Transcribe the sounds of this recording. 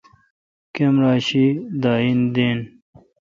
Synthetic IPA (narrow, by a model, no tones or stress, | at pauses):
kemɾaːɕid̪aːind̪eːn